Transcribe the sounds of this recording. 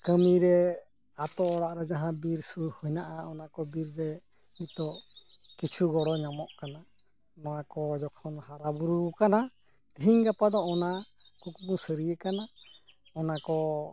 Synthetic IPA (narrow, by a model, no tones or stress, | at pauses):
kəmiɾɛ | at̪ɔːɽaʔɾɛd͡ʒaɦãbiɾsuhɔjnaʔaɔnakɔbiɾɾɛ | mit̪ɔʔkit͡ʃʰuɡɔɽɔɲamɔʔkana | nɔwakɔd͡ʒɔkʰɔnhaɾabuɾukana | d̪̥iɦiŋɡapad̪ɔɔnakukumusəɾijəkana | ɔnakɔ